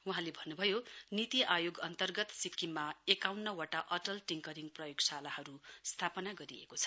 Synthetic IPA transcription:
uɦãlebʱʌnːubʱʌjonit̪iʔajoɡʌnt̪ʌrɡʌt̪sikːimːaekawnːʌwaʈaʔʌʈʌlʈiŋkʌɾiŋprʌjoɡsalahʌɾust̪ʰapʌnaɡʌɾiḛkot͡sʰʌ̥

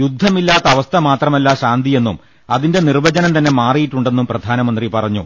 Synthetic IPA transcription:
jud̪ʱːɐmilːaːt̪ːɐɐʋɐst̪ʰɐmaːt̪rɐmɐlːaɕaːnd̪ʱije̞nːum | ɐðinde̞nirʋɐd͡ʑɐnɐmt̪ɐnːe̞maːrijiʈːuɳɖe̞nːumprɐd̪ʱaːnɐmɐnd̪ripɐrɐɲːṵ

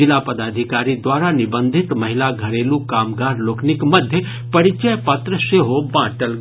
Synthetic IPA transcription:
ɪlapɐd̪aːd̪ʱikaːɾid̪waːɾanɪbə̃nd̪ʱɪt̪mɐɦɪlaɡʱɐɾeːlukaːmɡaːɾloːknɪkmɐd̪ʱjə | pɐɾɪt͡ʃəjpɐt̪ɾəʃeɦobãːʈəl

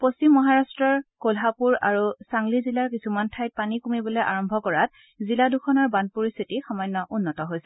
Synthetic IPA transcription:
post͡ɕimːɔɦaɹastɹɔɹkolɦapuɹaɹusaŋlizilaɹkisumantʰajt̚panikumibɔloejʔaɹɔmbʱɔkɔɹat̚ | ziladukʰɔnɔɹbandpoɹist̪ʰitixɔmɔjnːɔʔunːɔtɔɦojsɛ

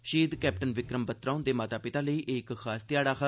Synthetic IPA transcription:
ʃiːd̪kɛːp̚ʈənʋɪkɾəmbət̪ɾãːʊnd̪eːmaːt̪aːpɪt̪aːləiːʔɪkxʰaːst̪ɪjaːɽaːkʰ

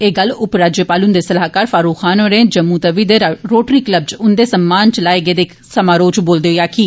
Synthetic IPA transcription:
eːɡəlʊpɾaːd͡ʒjəpaːlʊnd̪eːsəlaːkaːɾfʰaːɾuːkʰaːnoːɾẽːd͡ʒəmːuːt̪əʋiːd̪eːɾoːʈɾiːkləb̚d͡ʒʊnd̪eːsəmːaːnt͡ʃəlaːeɡeːd̪eːk | səmaːɾoːt͡ʃboːld̪eːɦojaːkiː

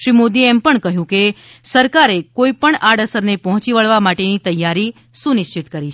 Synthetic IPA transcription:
ʃɾimod̪ieɛmpəɳkəɦjũke | səɾkaɾekoipəɳaɽəsəɾnepɔɦɔ̃t͡ʃiʋəɭʋamaʈenit̪əjːaɾi | sũnɪʃt͡ʃɪt̪kəɾit͡ʃʰ

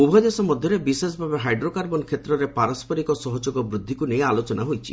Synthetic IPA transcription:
ubʱɔd̪esɔmɔd̪ʱjɔɾebises̬ɔbʱabeɦajɖɾokaɾbɔnkʰet̪ɾɔɾepaɾɔspʰɔɾikɔsɔɦɔd͡ʒoɡɔbɾud̪ʱːikunejalot͡ʃɔnaɦojt͡ʃʰi

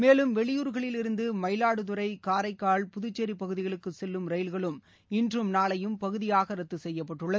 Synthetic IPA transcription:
meːlɯmʋɛɭɪjuːɾɣɐɭɪlɪɾɯnd̪ɯmɐɪlaːɽɯt̪ʊɾɐɪkaːɾɐɪkːaːɭpʊðʊt͡ʃːeɾipɐɣɯðɪɣɐɭɯkːɯsɛlːɯmɾɐɪlɣɐɭɯm | ɪndrɯmnaːɭɐjɯmpɐɣɯðɪjaːɣɐɾɐt̪ːɯsɛjːɐpːɐʈːɯɭːɐð

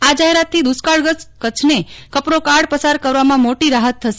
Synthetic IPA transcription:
ad͡ʒaɦeɾat̪ʰːid̪uskaɭəkət͡ʃʰnekəpɾokaɽpəsaɾkəɾʋamãmoʈiɾaɦət̪ʰːəʃe

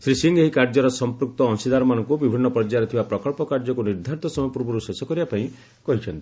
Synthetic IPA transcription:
sɾisiŋɡeɦikaɾd͡ʒɔɾɔsɔmpɾuk̚t̪ɔːnsid̪aɾɔmanɔŋkubibʱinːɔpɾɔd͡ʒaɾɔt̪ʰibapɾɔkɔɭpɔkaɾd͡ʒɔkuniɾd̪ʱaɾt̪ɔsɔmɔjɔpuɾbɔɾusesɔkɔɾibapaĩ | kɔɦit͡ʃʰɔnt̪i̥

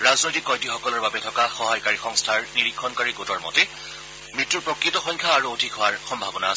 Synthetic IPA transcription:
ɹaznojtikːɔjdixɔkɔlɔɹbabɛtʰɔkaxɔɦajkaɹixɔŋstʰaɹniɹikʰːɔnkaɹiɡotɔɹmɔ̰te | mɹitːuɹpɹɔkɹitɔxɔjŋkʰaːɹuodʱikɦʊaɹxɔmbʱabɔnas

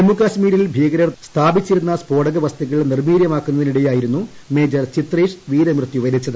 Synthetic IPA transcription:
emːukaːɕmiːɾilbʱiːɐɡɐɾɐrst̪ʰaːbit͡ɕːiɾunːɐspoːɽɐɡɐʋɐst̪ʰɐɣɐɭnirmiːɾjɐmaːkːunːɐðiniɽɐjaːjiɾunːu | meːd͡ʑɐrt͡ɕit̪reːʂʋiːɾɐmrɨt̪ːjuʋɐɾit͡ɕːɐðɨ

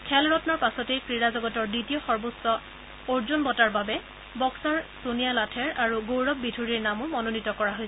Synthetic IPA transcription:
kʰɛlɹɔtnɔɹpasɔtejkɹiɹazɔɡɔtɔɹditijɔxɔɹbosɔ | oɹzunbɔtaɹbabɛ | bɔksɔɹsunijalatʰɛɹaɹuɡowɹɔb̚bidʰʱuɹiɹnamʊmɔnonitɔkɔɹaɦojsɛ

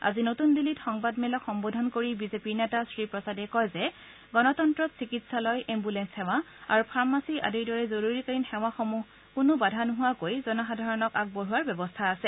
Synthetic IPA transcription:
a̰zinotundilitxɔŋbadmɛlɔkxɔmbodʱɔnkoɹibizepiɹnɛtasɹipɹɔsadɛkɔjzɛ | ɡɔnɔtɔntɹɔtsikitsalɔjʔɛmbulɛnsxɛw̃a | aɹupʰaɹmasiʔa̰diɹdɔɹɛzoɹuɹikaɹinxɛw̃axomu | kʊnʊbadʱanʊɦʊwakojzɔnɔxadʱaɹɔnɔkak̚boɹuwaɹbjɛbɔstʰaːsɛ

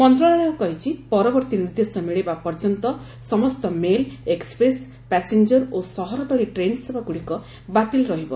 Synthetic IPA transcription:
pɔnd̪ɾɔɽaɽewkɔɦit͡ʃʰipɔɾɔbɔɾt̪iniɾd̪esɔmiɭebapɔɾd͡ʒɔnt̪ɔ | sɔmɔst̪ɔmelekspɾes | pɛsend͡ʒɔɾosɔɦɔɾɔd̪ɔɽiʈɾensebʱaɡuɽikɔ | bat̪ilɾɔɦibɔ

